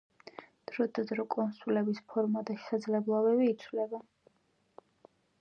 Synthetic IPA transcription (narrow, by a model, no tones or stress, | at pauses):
d̪̥ɾɔd̪ad̪ɾɔkʼɔnsulɛbispʰɔɾmad̪aʃɛ̥sad̪zlɛblˠabɛbiːt̪sʰvlɛba